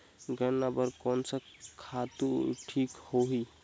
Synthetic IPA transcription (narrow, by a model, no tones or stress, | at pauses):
ɡənnabəɾkɔnsəkʰat̪uʈʰikhoɦi